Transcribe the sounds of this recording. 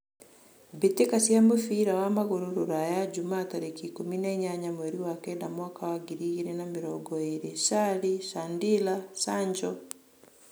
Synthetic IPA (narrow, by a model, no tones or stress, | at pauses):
betekasiamofiɾawamaɣoɾoɾoɾajad͡ʒumaːtaɾekikominɛɲaɲamwɛɾiwakɛnamwakawaɡiɾiɣiɾenameɾɔɡɔeɾesaɾisandilasaɲd͡ʒɔ